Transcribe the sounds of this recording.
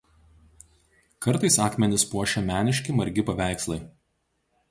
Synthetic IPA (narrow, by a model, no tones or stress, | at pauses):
kɐɾˑt̪ɐɪsɑːkmʲɛnʲɪspuɔʃʲɛmʲæːnʲɪʃʲkʲɪmɐɾʲɡʲɪpɐʋʲæˑɪkslˠɐɪ